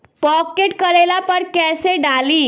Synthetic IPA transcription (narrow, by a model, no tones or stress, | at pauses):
pɔkeʈkəɾelapəɾkɛseɖali